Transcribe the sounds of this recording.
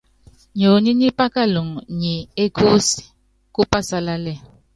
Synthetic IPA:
ɲo˨ni˦ni˦pa˦ka˦lu˨ŋ˨ɲi˨e˦kʰu˦si̥˨ | ku˦pa˦sa˦la˦lɛ˦˨

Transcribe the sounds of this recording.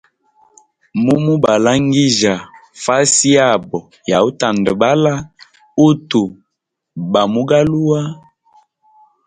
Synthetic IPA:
mu˦mu˦ba˨la˦ŋɡi˦ʒa˨fa˦si˦a˦˨bɔ˨ | ja˨u˦ta˨ndə˨ba˦la˦ | u˦tu˨ | ba˨mu˦ɡa˦lu˦wa˦

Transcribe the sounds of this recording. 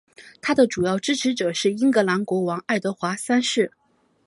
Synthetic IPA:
t̪ʰa˥d̪ə˨ʈ͡ʂu˨˩jɑ˥˩ʊʈ͡ʂɻ̩˥ʈ͡ʂʰɻ̩˧˥ʈ͡ʂɤ˨˩ʂɻ̩˥˩i˥ŋkɤ˧˥la˧˥nkwɔ˧˥wɑ˧˥ŋa˥˩ɪt̪ɤ˧˥xwa˧˥sa˥nʂɻ̩˥˩

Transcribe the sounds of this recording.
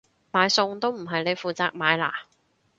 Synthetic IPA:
maː˨˧jsʊ˧ŋt̪o˥wm̩˨˩ɦɐ˨jne˨˧jfuː˨t͡saː˧k̚maː˨˧˥jla̰ː˨˩

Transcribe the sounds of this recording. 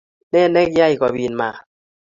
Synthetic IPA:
nɛ˦˨nɛ˦k̚ja˦˧˨jka˨bi˨nmaː˨

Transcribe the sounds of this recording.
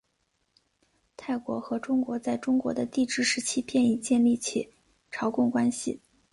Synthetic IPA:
t̪ʰa˥˩ɪkwɔ̰˧˥xɤ˧˥ʈ͡ʂʊ˥ŋkwɔ˧˥t͡sa˥˩ɪʈ͡ʂʊ˥ŋkwɔ̰˧˥d̪ə˧t̪i˥˧ʈ͡ʂɻ̩˥˩ʂɻ̩˧˥t͡ɕʰi˥pʰjɛ˥˧ni˥˩t͡ɕjɛ˥˧nli˥˩t͡ɕʰi˨˩ | ʈ͡ʂʰɑ˧˥ʊkʊ˥˩ŋkwa˥nɕi˨˩

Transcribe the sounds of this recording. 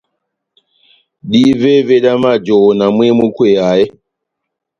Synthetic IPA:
ɗi˦ve˦ve˦ɗa˦ma˦˨d͡ʒo˨wna˨mwe˦mu˦kwe˦˨a˨je˦

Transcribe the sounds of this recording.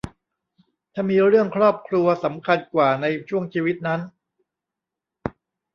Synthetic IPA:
t̪ʰaː˥˩miː˧ɾɯ˥˩əŋkʰɾɔː˥˩p̚kʰɾu˧ɐsa˩˦mkʰa˧nkwaː˨˩na˧jt͡ɕʰu˥˩əŋt͡ɕʰiː˧wi˦˥t̪̚na˦˥n

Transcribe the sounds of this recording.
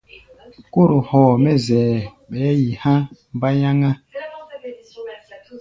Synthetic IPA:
ko˦˨ɾu˨hɔː˨mɛ˦zɛː˨ | ɓɛː˨˦ji˨hã˦m˦ba˦ja˦ŋa˦

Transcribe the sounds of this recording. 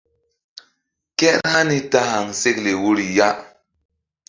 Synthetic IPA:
kɛ˦ɾha˦ni˦ta˦ha˨ŋse˦kle˨wu˦ɾi˨ja˦

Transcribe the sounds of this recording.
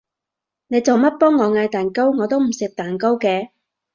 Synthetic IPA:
ne˨˧jt͡sɐ˨wmɐ˥t̚pɔː˥ŋːɔː˨˧ŋaː˧jt̪aː˨nko˥wŋɔː˨˧t̪o˥wm̩˨˩sɪ˨k̚t̪aː˨˩nko˥wkɛː˧

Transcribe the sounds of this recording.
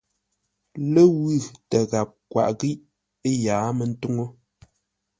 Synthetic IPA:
lə˦wʉ˦˨tə˨ɣa˨p̚kwa̰˨ʔɣi˦ʔ | e˦jaː˨˦mə˨n̩˦tu˦ŋo˦

